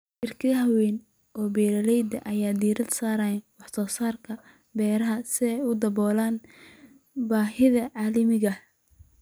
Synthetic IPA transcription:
ʔɪrkʰɐðɐɦɐwɛn | ɔːbɛːɾɐlɛjd̪ɐʔɐjaːd̪iːɾɐd̪saːɾɐːjnwɑħsɔːsaːrkʰɐ | bɛːɾɐɦɐsɪɛʊd̪ɐbɔːlaːn | baːɦɪðɐʕɑːlɐmɪɣɐ

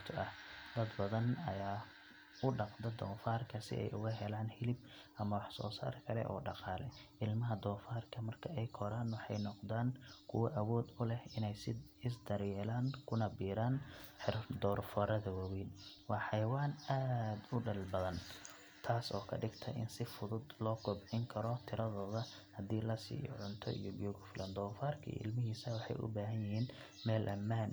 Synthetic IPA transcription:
t̪ʰʊʔɐhd̪ɐd̪bɐðɐnɐ̰jaː | ʊɖɑqd̪ɐd̪ɔːfaːrkʰɐsɪ̰ʔɛ̰jʔʊɣɐɦɛlaːnhɪlɪb̚ | ʔɐmɐwɑħsɔ̰ːsa̰ːrkʰɐlɛ̰ʔɔ̰ːɖɑqɑːlɛ̰ʔɪlmɐɦɐd̪ɔːfaːrkʰɐmɐrkʰɐɛjkʰɔɾaːnwɑħɑjnɔqd̪aːnkʰʊwɐʔɐwɔːd̪ʊlɛhɪnɛjsɪ | ɪsd̪ɐɾjɛːlaːŋkʰʊnɐbiːɾaːnħɪrd̪ɔːrfɔɾɐðɐwɐwiːnwɑːħɑjwaːnaːd̪ʊɖɐlbɐðɐn | t̪ʰaːsɔ̰ːkʰɐɖɪɡt̪ʰɐ̰ʔɪ̰nsɪfʊðʊd̪lɔːɡʰɔbʕɪŋkʰɐɾɔt̪ʰɪɾɐðɔːðɐ | hɐd̪iːlɐsḭːjɔ̰ʕʊnt̪ʰɔ̰ʔḭjɔɡɔːɣʊfɪlɐnd̪ɔːfaːrkʰɐ̰ɪ̰lmɪɦiːsɐwɑħɑ̰jʔʊ̰baːɦɐnjɪɦiːn | mɛːlʔɐmːaːn

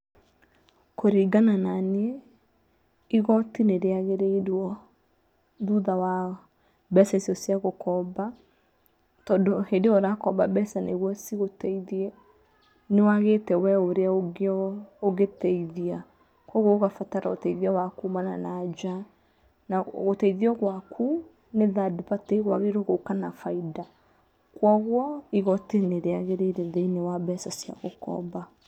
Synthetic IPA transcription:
koɾiːɡanananeɛ | iɣɔtineɾeaɣeɾeiɾwɔ | ðuðawa | bɛsasjɔsjaɣokɔba | tɔdɔhedeɔɾakɔbabɛsaneɣwɔsiɣotɛiðiɛ | newaɣetɛwɛoɾeaɔoɣetɛiðia | kwɔɣoɣoɣafataɾa̰o̰tɛiðiawakumana̰nad͡ʒa | naɣotɛiðiɔɣwakʰu | neðadipateiɣwaɣeɾoɣokanafaida | kwɔɣwɔiɣɔteneɾeaɣeɾeiɾɛðeinewabɛsasja̰ɣokɔ̰ba

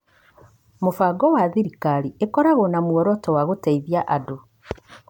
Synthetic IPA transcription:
mofaɡɔwaðiɾikaɾiekɔɾaɣonamwɔɾɔtɔwaɣotaiðjaʔado

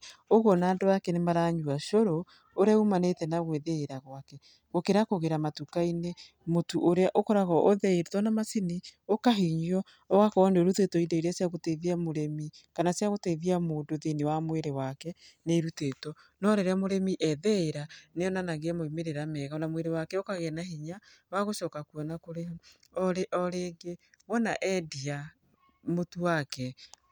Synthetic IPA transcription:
oɣɔnaːndoakɛnemaɾaɲuaʃoɾo | oɾeaumanetɛnaɣweðeːɾaɣwakɛ | ɣokeɾakoɣeɾamatukaine | motuʔoɾeaʔokɔɾaɣɔʔoðɛeɾutɔnamasiniokaɦiɲiɔ | ɔɣakɔɔnoɾutetɔideiɾasjaɣoteiðiamoɾemikanasjaɣoteiðiamoːdoðinewamweɾewakɛneiɾutetɔnɔɾɛɾeamoɾemiʔɛðɛeɾaneɔnanaɣeamoimeɾeɾamɛɣanamweɾewakɛokaɣenahiɲa | waɣoʃɔːkakwɔnakoɾe | ɔɾeʔɔɾeːɡewɔnaʔɛdia | motuwakɛ

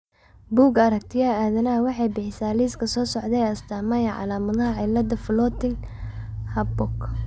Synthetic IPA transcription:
buːɡɐɾɐk̚t̪ʰɪjaaːðɐnɐɐwɑħɑjbɪħɪsaːliːskʰɐsɔːsɔʕd̪ɛjɐst̪ʰaːmɐjɐʕɑ̰laːmɐðɐɦɐʕɑlɐd̪ɐflɔt̪ɪn | hɐbɔk

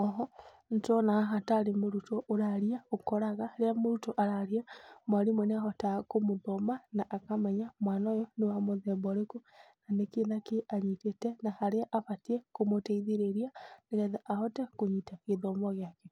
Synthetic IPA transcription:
ɔɦɔ | ntɔnaaɦataɾemoɾutoʔoɾaɾiaokɔɾaɣahɾeamoɾutoʔaɾaɾiamwaɾimɔneaɦɔtakomoðɔmanaʔːkamɛɲamwaːnajɔnewamoðɛːmbɔɾekonanekeðakeʔaɲitetɛnahaɾeaʔaβatiɛkomotɛiðeɾeɾianeɣɛðaʔahɔtɛkoɲitaɣeðɔmɔɣeakɛ

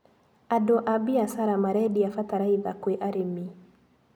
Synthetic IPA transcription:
adoʔabiasaɾamaɾɛɗiafataɾaiða̰kweʔaɾemi

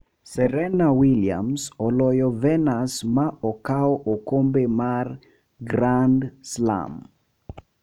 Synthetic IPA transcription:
sɛɾɛnawilia̰msɔlɔjɔvɛnasmaɔkaɔʔokombemar | ɡɾandsla̰m

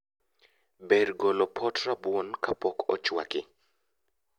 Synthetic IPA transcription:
beɾɡɔlɔpʰɔtɾabwonkapɔkɔt͡ʃwa̰kɪ

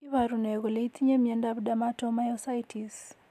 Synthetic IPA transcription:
iwaɾunɛɡoleit̪iɲemjɛndabdamatɔmajɔsaitis

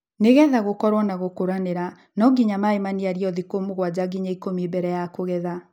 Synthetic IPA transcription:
neɣɛðaɣokɔɾwɔnaɣokoɾaneɾa | nɔɡiɲamaemaniaɾiɔðikomoɣwad͡ʑaɡiɲaikomibɛɾɛjakoɣɛða

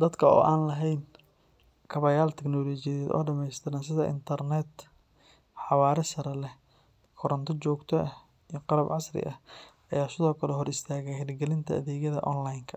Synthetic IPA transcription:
d̪ɐd̪kʰɐɔ̰ːʔaːnlɐɦɛjn | kʰɐβɐjaːlt̪ʰɛknɔːlɔːt͡ʃɪjɐðɛd̪ɔ̰ːɖɐmɛjst̪ʰɪɾaːnsɪðɐʔɪ̰nt̪ʰɐrnɛd̪ | ħɑwaːɾɛsɐɾɛlɛ | kʰɔɾɐnt̪ʰɔt͡ʃɔːɡt̪ʰɔɐ | iqɑlɐbʕɑsrɪ̰ʔɐhʔɐjaːsɪðɔːkʰɐlɛɦɔɾɪst̪ʰaːɣɛjhɛlɡɛlɪnt̪ʰɐɐðɛːɣɐðɐ̰ʔɔnlajŋkʰɐ

